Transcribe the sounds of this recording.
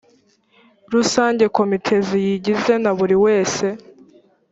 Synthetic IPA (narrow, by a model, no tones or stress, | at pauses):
ɾusaːɲɟe̞ko̞mitʰe̞zijiɟize̞naβuɾiwe̞ːse̞